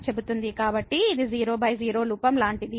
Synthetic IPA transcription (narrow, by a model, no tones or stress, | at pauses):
t͡ʃebut̪und̪ikaːbɐʈːiːd̪iziːɾo̞ːbʱɐjziːɾo̞ːluːpɐmlaːɳʈid̪i